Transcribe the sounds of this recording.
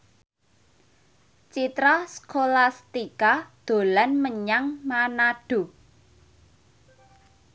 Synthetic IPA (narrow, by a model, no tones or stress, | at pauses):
t͡ʃit̪ɾaskolast̪ikad̪̥o̤lanməɲaŋmanaɖ̥o̤